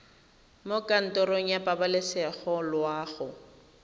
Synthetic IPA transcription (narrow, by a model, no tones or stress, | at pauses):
mokʼan̩tɔɾoŋ̩japʼabalɪsɛχɔlwaːɣʊ